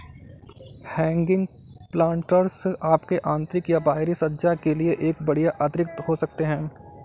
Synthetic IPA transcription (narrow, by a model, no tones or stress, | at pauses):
hɛ̃ːŋɡɪ̃ŋɡ | plãːɳʈəɾsaːpkeʔãːnt̪ɾɪkjabaːɦɾisɐdd͡ʒakelieʔeːkbɐɽ̤ijaʔət̪ɾɪk̚t̪hosɐk̚t̪eɦɛ̃ː